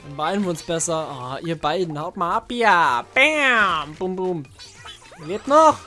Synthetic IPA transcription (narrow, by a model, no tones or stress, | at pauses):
anbaɪdn̩iʊnsb̥ɛsɐaʔiːɐbaɪdn̩haʊtmaːlapːab̥ɛmbʊmbum | vɪtnɔχ